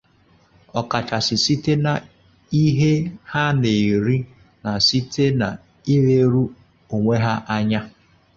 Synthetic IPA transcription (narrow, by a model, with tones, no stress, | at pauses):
ɔ˨ka˨t͡ʃa˨sɪ˨si˦te˦na˨ | i˦ɦe˦ha˦ne˨ɾi˦ | na˨si˦tʰe˦na˨ | i˦ɣe˦ɾu˦ | o˨ŋʷe˦ɦa˦ʔa˦ɲa˦